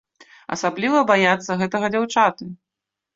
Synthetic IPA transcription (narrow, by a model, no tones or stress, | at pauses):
ɐ̰sablʲivɐbajat̪sːɐɣɛt̪ɐɣɐd͡zʲawt͡ʂat̪ɨ